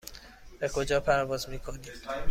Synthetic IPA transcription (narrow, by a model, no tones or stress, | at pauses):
bekʰo̞d͡ʒɒːpʰæɾvɒːzmiːkʰoniːm